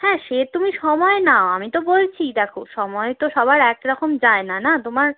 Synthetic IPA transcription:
hɛ̃ʃet̪umiʃɔmɔenaoamit̪obolt͡ɕʰid̪ɛkʰoʃɔmɔet̪oʃɔbʱaɾɛkɾɔkomd͡ʑaenanat̪omaɾ

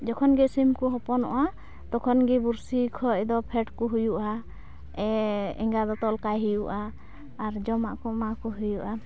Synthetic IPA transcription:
d͡ʒɔkʰɔnɡɛsimkuɦɔpɔnɔʔa | t̪ɔkʰɔnɡibuɾsikʰɔʔd̪ɔpʰɛʈkɔɦujuʔa | ɛɛ̰ŋɡad̪ɔt̪ɔlkajɦijuʔaː | ɾd͡ʒɔmaʔkɔmakɔɦujuʔa

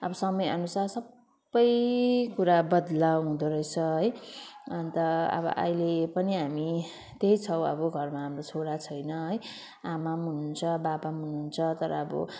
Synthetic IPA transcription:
ʌbʌsʌmʌjʌ̰nusarsʌbː | ʌjkuɾabʌd̪lawɦũd̪oɾʌjt͡sʰʌɦʌjʌnt̪ʌʌ̰bʌ̰ʔʌ̰jlepʌniɦami | t̪eɦit͡sʰʌw̃ʌ̰bʌɡʱʌrmaɦamrot͡sʰoɾat͡sʰʌjnʌɦʌj | amamɦununt͡sʰʌbabamɦununt͡sʰʌt̪ʌɾʌːbʌ̰

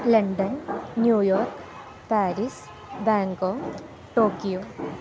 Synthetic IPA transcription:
lɐɳɖɐnːjuːjoːɾk | paːɾis | baːŋɡoːŋ | ʈoːkijoː

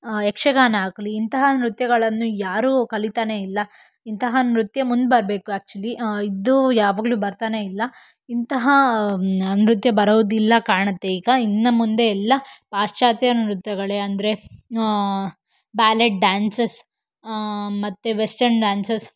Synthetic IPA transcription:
ekʂɐɡaːnɐaːkɐliːnt̪ɐɦɐnɾut̪jɐɡɐɭɐnːujaːɾukɐlit̪aːne̞ilːɐ | int̪ɐɦɐnɾut̪jɐmund̪bɐɾɐbe̞ːkuæːk̚t͡ʃuɐliid̪ujaːʋaːɡluːbɐɾt̪aːne̞ilːɐ | int̪ɐɦɐ | nɾut̪jɐbɐɾoʋd̪ilːɐkaːɾɳɐt̪ːe̞iːɡɐinːɐmund̪e̞ɛlːɐpaːʂt͡ʃaːt̪jɐnɾut̪jɐɡɐɭeɐnd̪ɐɾe̞ | baːleʈ̚ɖaːnsɐs | mɐt̪ːeʋesʈɐɾɳɖaːnsɐs

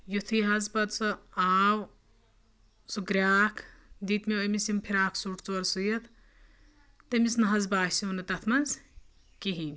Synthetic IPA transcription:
jut̪ʰiɦɐzbɐd̪soaːw | suɡɾʲaːkʰd̪it̪meomisimpʰiɾaːkʰsuʈʰt͡suɐɾsujɐt̪ | t̪ɐmisnɐɦɐzbaːsiunɐt̪ɐt̪ʰmɐz | kiɦimʲ

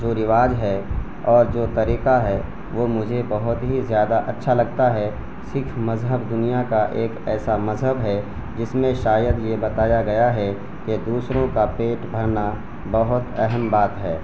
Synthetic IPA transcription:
d͡ʒoːɾɪʋaːd͡ʒɦɛ | ɔːɾd͡ʒoːt̪ɐɾiːqaɦɛ | ʋoːmʊd͡ʒʱebɐɦʊt̪ɦizjaːd̪aʔɐtːʃʰalɐɡt̪aɦɛ | sɪkʰmɐzɦəbd̪ʊnijakaʔeːkɛːsamɐzɦəbɦɛ | d͡ʒɪsmẽʃaːjəd̪jebɐt̪aːjaɡɐjaɦɛ | ked̪uːsɾõkapeːʈbʱɐɾna | bɐɦʊt̪ɛɦəmbaːt̪ɦɛː

